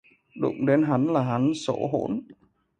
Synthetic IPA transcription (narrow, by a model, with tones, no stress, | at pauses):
ɗʊ̰˧˩˨ŋ͡mɗe˨˦nɦa˨˦nlaː˨˩ɦa˨˦nso̰˧˩ɦo̰˧˩n